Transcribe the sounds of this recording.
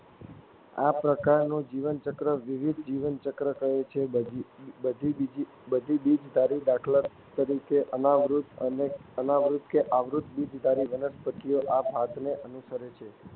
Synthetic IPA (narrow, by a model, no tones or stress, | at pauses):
a̰pɾəkaɾnũd͡ʒiʋənt͡ʃəkɾəʋiʋid̪ʱd͡ʒiʋənt͡ʃəkɾəkəɦet͡ʃʰe | əd̪ʱid͡ʒ | bəd̪ʱibid͡ʒd̪ʱaɾid̪akʰləɾ | t̪əɾikʰeʔənaʋɾut̪əneənaʋɾut̪keʔaʋɾut̪bid͡ʒd̪ʱaɾiʋənəspət̪ijoʔapɦat̪neʔənusəɾet͡ʃʰe